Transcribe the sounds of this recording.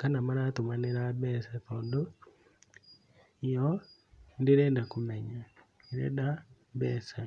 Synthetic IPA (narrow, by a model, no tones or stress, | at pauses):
kanamaɾat̪omaneɾabɛsat̪ɔndo | jɔ | ndeɾendakomɛɲa | eɾɛ̰da | bɛsa